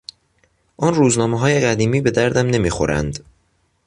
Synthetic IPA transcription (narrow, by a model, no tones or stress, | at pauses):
ʔɒːnruːznɒːmeɦɒːje̞ɢæd̪iːmiːbe̞d̪æɾd̪æmne̞miːxo̞̰ɾæ̰nd̪̥